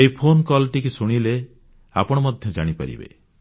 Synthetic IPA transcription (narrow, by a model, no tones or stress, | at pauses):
eipʰonkɔlʈikusuɽ̃ile | a̰pɔɽ̃ɔmɔd̪ʱjɔd͡ʒaɽ̃ipa̰ɾḭbḛ